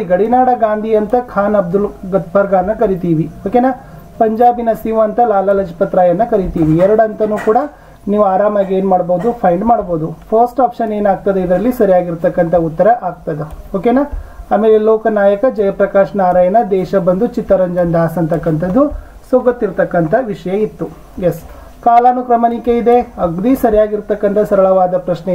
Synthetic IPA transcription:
iɡɐɽinaːɽɐɡaːnd̪ʱiɐnt̪ɐkʰaːnɐb̚d̪ulɡɐt̪̚bɐɾɡaːɐnːɐkɐɾit̪iːʋioːkeːnaː | pɐɲd͡ʒaːbinɐsiʋɐnt̪ɐlaːlɐlɐd͡ʒʰipɐt̪ɾaːjɐnːɐkɐɾit̪iːʋiɛɾɐɽɐnt̪ɐnuːkuːɽɐ | niːʋuaːɾaːmɐɡe̞ːnmaːɽboːd̪upʰɐjɳɖmaːɽboːd̪upʰɐɾsʈaːpʃɐne̞ːnaːɡ̚t̪ɐd̪eid̪ɾɐlːisɐɾijaːɡiɾt̪ɐkːɐnt̪ʰɐut̪ːɐɾɐʔaːɡ̚t̪ɐd̪eoːkenaːaːmeːleloːkɐnaːjɐkɐd͡ʒɐjɐpɾɐkaːʃɐnaːɾaːjɐnɐd̪ɛːʃɐbɐnd̪ut͡ʃit̪ːɐɾɐɲd͡ʒɐnd̪ʱaːsɐnt̪ɐkːɐnt̪ʰɐd̪ːu | suɡɐt̪ːiɾt̪ɐkːɐnt̪ʰɐʋiʂɐjɐit̪ːu | jes | kaːlaːnːukɾɐmɐnikeid̪e̞ɐɡd̪isɐɾijaːɡiɾt̪ɐkːɐnt̪ʰɐsɐɾɐɭɐʋaːd̪ɐpɾɐʃne

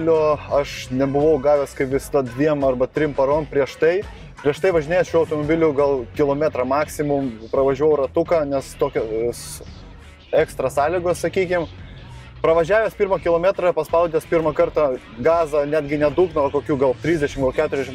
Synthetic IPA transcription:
lʲoːɐʃnʲɛbʊʋɐʊɡɑːʋʲeːskɐɪpʋʲɪsɐd̪ɐdʲʋʲiɛmɐrbɐt̪ʲɾʲɪmpɐɾoːmpʲɾʲiɛʃt̪ɐɪ | pʲɾʲiɛʃt̪ɐɪʋɐʒʲɪnʲeːjɛsʃʲuːɐʊt̪oːmobʲɪlʲʊɡɐlˠkʲɪlˠoːmʲæt̪ɾɐmɑːksʲɪmʊmpɾɐʋɐʒʲɛʋɐʊɾɐt̪ʊkɑnʲɛst̪oːkʲoːs | ɛkst̪ɾɐsɑːlʲɪɡoːssɐkʲiːkʲɪm | pɾɐʋɐʒʲæːʋʲeːspʲiɾmɐkʲɪlˠoːmʲæːt̪ɾɐpɐspɐʊd̪ʲespʲɪɾmɐkɐɾt̪ɐ | ɡɑːzɐnʲæːd̪ʲɡʲɪnʲɛd̪uːknɐʋɐkoːkʲuːɡɐlˠt̪ʲɾʲiːzʲd̪ʲɛʃʲɪmɡɐlˠkʲæt̪ʊɾʲɛzʲd̪ʲɛʃɪm

